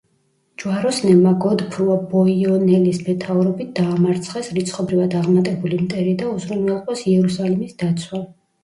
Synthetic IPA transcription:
d͡ʒwaɾɔsnɛmaɡɔd̪pʰɾuabɔiɔnɛlismɛt̪ʰauɾɔbit̪̚ʰd̪̥aːmaɾt̪sʰχɛsɾit̪sʰχɔbɾivad̪aʁmat̪ʼɛbulimt̪ʼɛɾid̪auzɾunwɛlˠqʼɔsiɛɾusalimisd̪at̪sʰwa

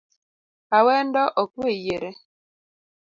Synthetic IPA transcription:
awɛndɔʔɔkwejeɾe

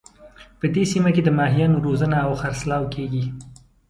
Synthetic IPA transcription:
pəd̪esimaked̪əmɑɦijɑnoɾozənaːwxaɾslɑwkʰeɡi

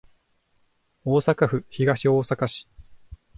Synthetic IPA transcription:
oːsakaɸɯ̟çiɡaɕioːsakaɕi̥

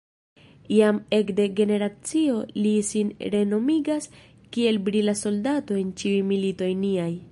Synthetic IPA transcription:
ijame̞kde̞ɡe̞ne̞ɾat͡sio̞lisinɾe̞no̞miɡas | kie̞lbɾilaso̞ldato̞e̞nt͡ʃiujmilito̞jniaj

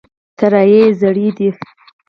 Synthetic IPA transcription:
t̪aɾajezaɽid̪i

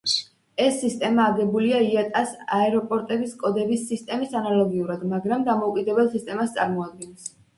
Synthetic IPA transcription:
ɛsːist̪ʼɛmaːɡɛbuliaiat̪ʼasaɛɾɔpʼɔɾt̪ʼɛbiskʼɔd̪ɛbisːist̪ʼɛmisanalˠɔɡiuɾad̪maɡɾamd̪amɔukʼid̪ɛbɛlˠsist̪ʼɛmast̪sʼaɾmɔad̪̚ɡɛns

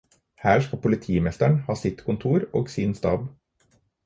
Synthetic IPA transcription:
hæːʃkɑpʰʊlɪt̪ʰiːmɛst̪æɳhɑːsɪt̪kʰʊnt̪ʰuːɾo̰ːɡsiːnst̪ɑːb

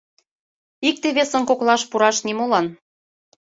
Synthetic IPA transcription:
ik̚t̪eβesə̆nkoklɑʃpuɾɑʃnimolɑn

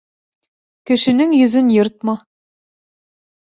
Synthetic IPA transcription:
kɘ̆ʃɘ̆nɘŋjɵ̆zɘnjɤɾt̪̚mɑ

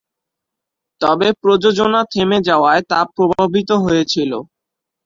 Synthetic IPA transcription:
t̪ɔbepɾod͡ʑod͡ʑonat̪ʰemed͡ʑaoaet̪apɾobʱabʱit̪̬oɦojet͡ɕʰilo

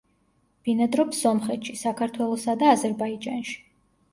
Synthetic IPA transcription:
b̥inad̪ɾɔpsɔmχɛt̪ʃisakʰaɾt̪ʰwɛlˠɔsad̪aːzɛɾbaid͡ʒanʃi̥

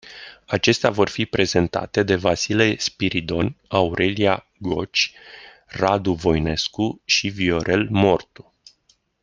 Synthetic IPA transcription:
at͡ʃe̞st̪eavo̞rfipɾe̞ze̞nt̪a̰t̪e̞d̪e̞vasilespiɾid̪o̞nauɾʔe̞lia | ɡo̞t͡ʃʲ | rad̪uvo̞jne̞skuʃivio̞ɾʔe̞lmo̞rt̪u̥

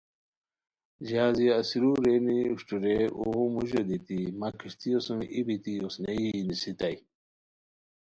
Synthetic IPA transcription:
ʑaːziɐsiɾuɾeniuɕʈuɾeṵɣumuʑod̪it̪imakʰiʂt̪ijosũmibit̪iosneinisit̪aj

